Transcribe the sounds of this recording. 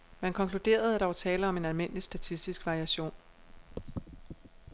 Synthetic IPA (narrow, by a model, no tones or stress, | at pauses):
mænkʰɒ̽ŋkʰlud̥e̝̰ːɐð̞̩ˠæɾ̥ɑ̈ʋɑ̈t͡sʰɛːləɒ̽me̝nælme̝n̰əlisd̥æt͡sʰisd̥isɡ̥ʋɑ̈ʁiæɕo̝̰ːn